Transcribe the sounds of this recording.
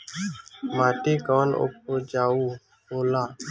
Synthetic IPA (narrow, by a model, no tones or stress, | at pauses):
maːʈ̪iːkaːno̰ːp̚oːd͡ʒaːuː | oːlaː